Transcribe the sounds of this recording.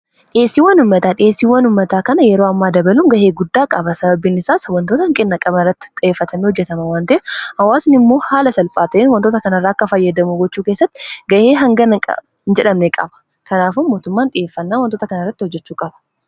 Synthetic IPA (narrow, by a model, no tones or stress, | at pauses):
ᶑɪeːsiːwɐnʊmːɐt̪aːᶑɪeːsːiːwɐnʊmːɐt̪aːkɐnɐjɛɾoːɐmːaːd̪ɐbɐluːŋɡɐʔeːɡʊd̪ːaːkʼɐbɐsɐbɐbiːnɪsaːsɐwɐnt̪ot̪ɐhɐŋkʼɪnːɐkʼɐbɐrːɐt̪ːɪ̥t̪ʼɪeːfːɐt̪ʰɐmehɔd͡ʒːɛt̪ɐmɐwaːnt̪ɐʔɛhɐwaːsnɪmːo̞ːhaːlɐsɐlpʼaːt̪ɐʔeːnwɐnt̪oːt̪ɐkɐnɐrːaːɐkːɐfɐjːɐd̪ɐmuɡɔt͡ʃːuːkeːsːɐt̪ːɪɡɐʔeːɦɐŋɡɐnkʼ | nd͡ʒɛᶑɐmnekʼɐ̰bɐ̥ | kʰɐnaːfʊnmoːt̪ʊmːaːnᶑɪeːfːɐnːaːwɐnt̪oːt̪ɐkɐnɐrːɐt̪ːɪhɔd͡ʒːɛt͡ʃːuːkʼɐbɐ̥